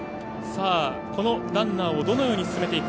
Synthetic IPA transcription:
saː | ko̞no̞d̪ãnːaːo̞d̪o̞no̞jo̞ːɲ̟isɨ̥sɨme̞t̪eit̪

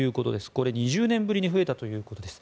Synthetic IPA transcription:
ɯ̟ːko̞t̪o̞d̪e̞sɨ̥ko̞ɾe̞ɲ̟iʑɨːnẽ̞mbɯɾʲiɲ̟iɸɯ̟e̞t̪at̪o̞jɯ̟ːko̞t̪o̞d̪es

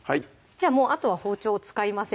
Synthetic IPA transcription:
hai | d͡ʑaːmo̞ːʔat̪o̞βaho̞ːt͡ɕo̞ːt͡sɨ̥kaimasẽ

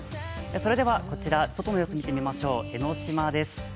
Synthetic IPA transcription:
eso̞ɾe̞d̪e̞βako̞t͡ɕiɾaso̞t̪o̞no̞joːsomʲit̪e̞mʲimaɕo̞ːe̞no̞ɕimad̪e̞sɨ̥

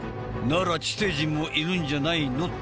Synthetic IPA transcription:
naɾat͡ɕi̥t̪eʑimoʔiɾɯɲd͡ʑanaino

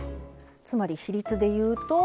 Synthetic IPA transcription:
t͡sɨmaɾʲiçiɾʲit͡sɨd̪e̞jɯ̟ːt̪o̞

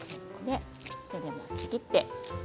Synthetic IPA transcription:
d̪e | ted̪emot͡ɕiɡʲit̪ːe

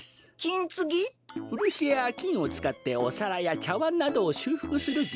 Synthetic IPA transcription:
kʲĩnt͡sɨɡʲiɸɯ̟ɾʲiɕieakʲĩɰ̃o̞t͡sɨ̥kat̪ːe̞o̞̰saɾajat͡ɕaβãnːad̪o̞ːɕɨːɸɯ̥kɯ̟sɨɾɯ̟

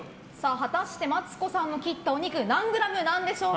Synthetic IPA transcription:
saːɦat̪aɕi̥t̪e̞mat͡sɨ̥ko̞sãnːo̞kʲit̪ːaoɲ̟ikɯ̟nãŋɡɯ̟ɾamɯ̟nãnd̪e̞ɕo̞ː

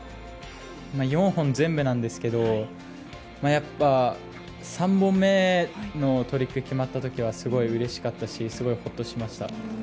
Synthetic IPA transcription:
majõ̞ɰ̃hõ̞nd͡zẽ̞mbɯ̟nãnd̪e̞sɨ̥ke̞d̪o̞ | majapːa | sãmbõ̞mːe̞no̞t̪o̞ɾʲikːɯ̟kʲimat̪ːat̪o̞kʲiβ̞asɨɡo̞iɯ̟ɾe̞ɕi̥kat̪ːaɕisɨɡo̞iho̞t̪ːo̞ɕimaɕi̥t̪a̰

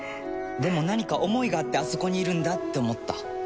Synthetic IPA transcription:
d̪e̞mo̞naɲ̟ikaʔo̞mo̞iɡaːt̪ːe̞aso̞ko̞ɲ̟iːɾɯ̟̃nd̪at̪ːe̞omo̞t̪ːa̰

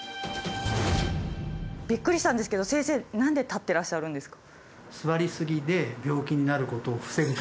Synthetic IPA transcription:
b̥ʲikːɯɾʲiɕi̥t̪ãnd̪esɨ̥ke̞d̪o̞sẽ̞ːse̞ːnãnd̪e̞t̪at̪ːe̞ɾaɕːaɾɯ̟̃nd̪e̞sɨ̥kḁ | sɨβaɾʲisɨɡʲid̪e̞bʲjo̞ːkʲiɲ̟inaɾɯ̟ko̞t̪o̞ːɸɯ̥se̞ɡɯ

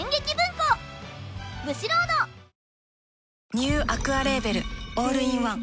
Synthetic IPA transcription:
ẽŋɡekʲibɯ̃ŋko | mɯ̟ɕiɾoːd̪o | ɲʲɨːʔakɯ̟aɾe̞be̞ɾɯ̟oːɾɯ̟ĩɰ̃βãŋ

